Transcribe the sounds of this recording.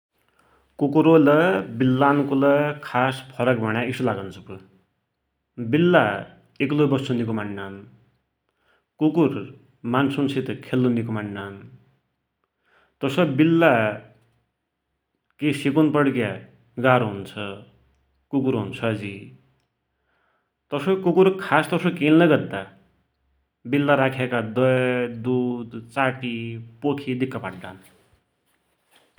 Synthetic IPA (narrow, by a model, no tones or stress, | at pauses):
kukuɾolʌbilːankolʌkʰaspʰʌɾʌk̚bʱʌɽ̃jaisulaɡant͡sʰʌpu | bilːa | eklobʌsunik̬umanːan | kukur | mansunsit̪kʰelːunːik̬umaɳːan | t̪ʌsʌbilːa | kesikunpʌɽkja | ɡaɾoɦunt͡sʰʌ | kukuɾɦunt͡sʰʌd͡zi | t̪ʌsokukuɾkʰast̪ʌsokellʌɡʌd̪ːa | bilːaɾakʰekad̪ʌjd̪ud̪t͡saʈipokʰid̪ikːʌpaʈ̚ɖa̰n